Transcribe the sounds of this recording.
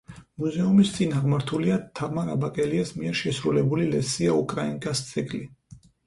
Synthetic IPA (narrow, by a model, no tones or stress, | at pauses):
muzɛumist̪sʼinaʁmaɾt̪ʰuliat̪ʰavmaɾa̰bakʼɛliasmiɛɾʃɛsɾulɛbulilɛsiaukʼɾaiŋkʼast̪sʰʼɛkʼli